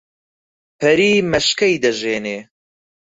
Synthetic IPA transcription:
pʰɐɾiːmɐʃkɐjd̪ɐʒeːneː

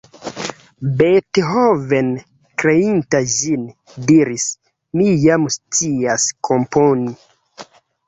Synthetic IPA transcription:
betɦoven | kɾeintad͡ʒin | diɾis | mijamst͡siaskʰomponi

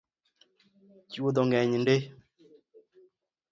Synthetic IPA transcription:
t͡ʃiwod̪ɔŋɡɛɲinde

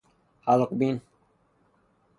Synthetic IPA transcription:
halqbin

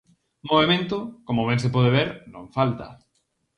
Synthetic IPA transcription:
moβemẽnt̪ʊkomoβeŋsepɔðeβeɾnõ̰ŋfalt̪ɐ̰

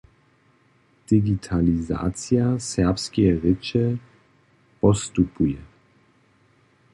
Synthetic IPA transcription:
d̪̥iɡit̪ʰaliza̰ːt͡sjasɛɐpskɛjʁɪt͡ʃɛ | pɔst̪upujɛ

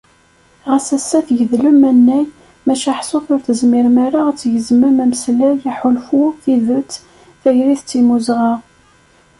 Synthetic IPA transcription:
ʁæsæsːæθʝəðlʊmænːæj | mæʃæħsʊθʊɾθəzmiɾmæɾaʁt͡sːjəzməmæmslæjiħʊlfʊθiðʊt͡sː | θæʝɾiθt͡sːimuzʁɑʁ

